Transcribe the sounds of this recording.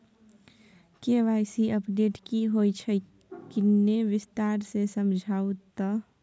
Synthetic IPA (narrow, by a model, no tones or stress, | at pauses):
keʋaɪsiʔəpɖeʈkiɦoit͡ʃʰə | kinːeʋɪst̪aɾsesəmd͡ʒʱaːut̪ɔ